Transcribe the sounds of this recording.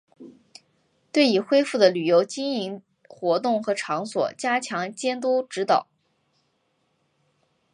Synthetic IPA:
t̪we˥˩ɪi˨˩xwe˥ɪfu˥˩d̪ə˩ly˨˩jo˧˥ʊt͡ɕi˥ŋi˧˥ŋ | xwɔ˧˥t̪ʊ˥˩ŋxɤ˧˥ʈ͡ʂʰɑ˧˥ŋswɔ̰˨˩t͡ɕja˥t͡ɕʰjɑ˧˥ŋt͡ɕjɛ˥nt̪̬wɔ˥ʈ͡ʂɻ̩˧˥t̪ɑ˨˩˦ʊ

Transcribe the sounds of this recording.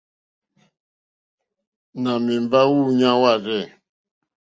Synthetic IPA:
na˨mi˨m˨ba˦wu˦˨ɲã˦wa˦˨ɾɛ˦˨

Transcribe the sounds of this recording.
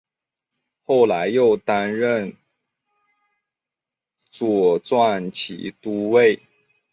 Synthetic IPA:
xo˥˩ʊla˧˥ɪjo˥˩ʊt̪a˥nɻə˥˩n | t͡swɔ˨˩t͡swa˥˩nt͡ɕʰḭ˧˥t̪u˥we˥˩ɪ

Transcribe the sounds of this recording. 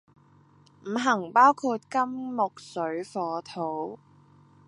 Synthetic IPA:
m̩˨˩ɦɐ˨˩ŋpaː˥wkʰuː˧t̚kɐ˥mːʊ˨k̚sɵ˨˥ɥfɔː˨˧t̪ʰo˨˥w

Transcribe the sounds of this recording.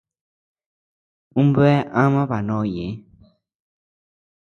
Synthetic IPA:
ũ˦mbɛ˦ʔã˦mã˦βa˨nõ˧˦˨jẽ˨˦

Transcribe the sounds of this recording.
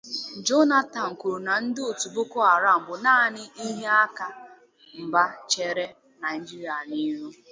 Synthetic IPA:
d͡ʒo˦na˦ta˨ŋ̩˨ku˨ɾu˨na˨n̩˦dɪ˦o˨tu˨bʊ˦kʊ˦a˨ɾa˦m̩˨bʊ˨naː˦˨nɪ˦ʔi˦ɦe˦a˦ka˨ | m̩˨ba˦t͡ʃe˨ɾe˦ | na˨ɪ˨d͡ʒi˦ɾi˨a˨ni˦ɾu˦

